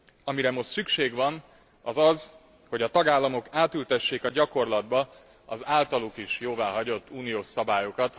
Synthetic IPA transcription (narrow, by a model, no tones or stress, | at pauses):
ɒmiɾɛmo̞ʃt̪sykʃeːɡʋɒn | ɒzɒz | ho̞ɟɒt̪ɒɡaːlːɒmo̞kaːt̪ylt̪ɛʃːeːkɒɟɒko̞rlɒd̪̚bɒ | ɒ̰zaːlt̪ɒlukiʃjoːvaːɦɒɟo̞t̪ːuːnijoːʃsɒbaːjo̞kɒt̪